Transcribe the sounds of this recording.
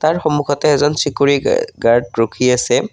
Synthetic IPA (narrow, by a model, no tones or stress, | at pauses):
taɹxomukʰɔtɛːzɔnsikuɹḭɡaɹd̚ɹokʰiasɛ